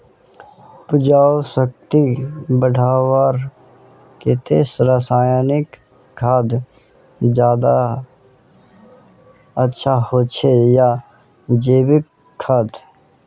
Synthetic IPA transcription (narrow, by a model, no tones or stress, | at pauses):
pʊd͡ʒaːosək̚t̪ibəɽʱaːwaːɾ | ket̪eːsɾaːsaːjanɪkːʰ | aːd̪ | d͡ʒjaːd̪a | ətːʃʰahot͡ʃʰeja | d͡ʒeːbɪkʰː | aːd̪